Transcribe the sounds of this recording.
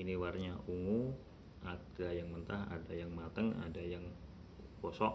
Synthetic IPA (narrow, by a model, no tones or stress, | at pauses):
iniwarɲaʔuŋu | at̪̚ɡajaŋmənt̪aɦa̰dajaŋmat̪əŋa̰dajaŋ | bɔsɔʔ